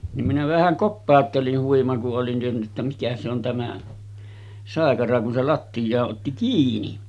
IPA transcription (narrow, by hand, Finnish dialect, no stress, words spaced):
nim minæ ʋæhæŋ kopːɑˑotːelin huimɑ kuʔ ʔolin ʔen tienːy tːæ mikæ se on tæmæ sɑˑekɑrɑ kun se lɑtːijɑːʔ ʔotːi kiːni